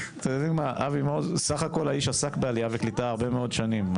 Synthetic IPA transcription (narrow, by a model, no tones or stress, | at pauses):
t̪adimaʔavimozsaχako̞laiʃasakbealijaveklitaːʁbe̞me̞o̞dʃanim